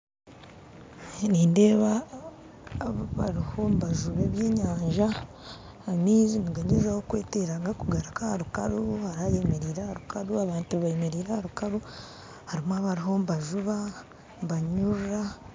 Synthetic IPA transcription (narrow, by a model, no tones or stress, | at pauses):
niːnde̞ːβa | βaɾiho̞mbaʒuβeβje̞ːɲaːɲʒaː | miːzimuɡaɲezahokwe̞ːteɾaŋɡakuɡaɾakahaɾukaɾuhaɾaje̞meɾiːɾahaɾukaɾuaβaːntuβajemeɾiːɾahaɾukaɾu | haɾimwaβaɾiɦo̞mbaʒuβa | mbaɲuɾa